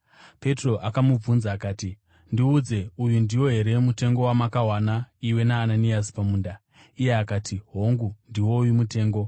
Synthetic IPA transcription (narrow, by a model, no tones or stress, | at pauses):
pe̞tro̞ʔakamub͡vunzaːkaːti | ndiud͡ze̞ujundiwo̞ɦe̞ɾe̞mute̞ŋɡo̞wamakaɦwanaiwe̞naːnaniasi̥pamuːnda | ije̞akaːtʰiɦo̞ŋɡundiwo̞jimute̞ːŋɡo̞